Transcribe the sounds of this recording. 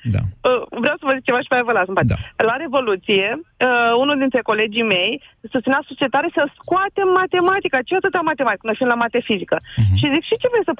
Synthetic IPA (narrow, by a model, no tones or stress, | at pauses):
d̪a̰əvɾeawsəvəzik̚t͡ʃe̞vaʃi̥paevəlasəmpat̪elaɾe̞vo̞lut̪sije̞əunuld̪int̪ɾe̞ko̞le̞d͡ʒijme̞jsust̪inasut͡ʃiet̪aɾesəskoat̪emːat̪e̞mat̪ikat͡ʃeat̪ɨt̪eamat̪e̞mat̪ikənəfimlamat̪eefizikəʃizikʃit͡ʃevejesəp